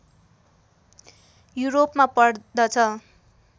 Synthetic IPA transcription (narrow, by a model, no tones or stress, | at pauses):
juɾopmapʌɽd̪ʌt͡sʰʌ